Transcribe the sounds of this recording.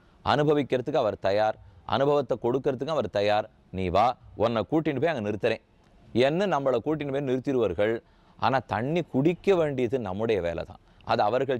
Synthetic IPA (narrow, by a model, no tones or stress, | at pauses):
ʔɐ̰nɯbʱɐʋɪkːɪɾɐðɯkːɯɐʋɐɾt̪ɐjaːɾʔɐ̰nɯbʱɐʋɐt̪ːɐkːɔɽɯkːɪɾɐðɯkːɯɐʋɐɾt̪ɐjaːɾ | niːʋaːʔɔnːɐkuːʈːɪnɯpeːɐŋɡɐnɪɾɯt̪ːɪɾẽː | ɛnːɯnɐmːɐɭɐkuːʈ̬ːɪnɯpeːnɪɾɯt̪ːɪɾɯʋɐɾɣɐɭ | ʔa̰ːnaːt̪ɐɳːikʊɽɪkːɐʋeːɳɖɪjɐðɯnɐmːɯɽɐjɐʋeːlɐ̰t̪ã̰ː | ʔɐ̰ðɯɐʋɐɾɣɐɭ